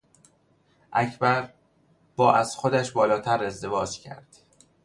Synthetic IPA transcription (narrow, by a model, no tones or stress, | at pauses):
ʔæcʰbæɾ | b̥ɒːʔæz̥xod̪æʃbɒːlɒːt̪ʰæɾe̞zd̪e̞vɒːd͡ʒcʰæ̰ɾd̪̥